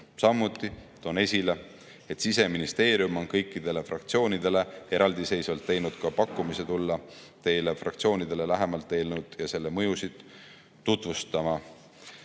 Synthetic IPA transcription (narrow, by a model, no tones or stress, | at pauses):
sɑmːut̪ːˑit̪o̞ne̞sʲile̞ | et̪sis̬e̞minist̪e̞ːɾijumo̞nkɤjkːˑid̪̥e̞le̞frɑkt̪sio̞ːnid̪e̞le̞e̞ɾʔɑld̪̥ise̞jsvɑlt̪ːe̞jnud̪̥kɑpɑkːˑumise̞t̪ulːɑ | t̪e̞jlefrɑ̰kt̪sio̞ːnid̪̥e̞le̞læɦe̞mɑlt̪ːe̞ːlnud̪̥jɑse̞lːe̞mɤ̞jusid̪̥ | t̪ːut̪vust̪ɑmɑ